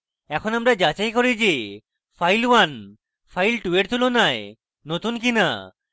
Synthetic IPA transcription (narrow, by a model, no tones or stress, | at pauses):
ɛkʰonamɾad͡ʑat͡ɕajkoɾid͡ʑe | fʰajlwan | fʰajlʈueʈt̪ʰulonae | not̪unkina̰